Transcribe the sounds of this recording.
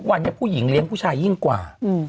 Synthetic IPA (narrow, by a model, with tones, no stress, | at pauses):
u˦˥k̚wa˧nt͡ɕa˧˥˩pʰuː˥˩ji˩˦ŋli˦əŋpʰuː˥˩t͡ɕʰaː˧ji˥˩ŋkwa̰ː˨˩˧